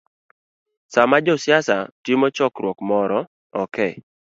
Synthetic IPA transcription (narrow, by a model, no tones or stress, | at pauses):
samad͡ʒɔsɪasatɪmɔt͡ʃɔkɾwɔkmɔɾɔ | ɔkɛ